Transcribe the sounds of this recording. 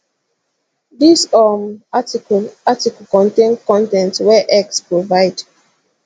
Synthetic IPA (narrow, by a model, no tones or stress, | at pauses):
disɔm | atikkɔ̃ntẽnkɔ̃ntɛ̃ntwɛʔɛkspɹovaɪd